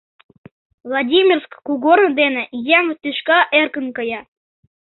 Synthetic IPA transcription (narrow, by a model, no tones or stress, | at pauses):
vlˠɑdʲimʲirskkuɣornəd̪enĕjæmət̪yʃkɑʔerkə̆nkɤjɑ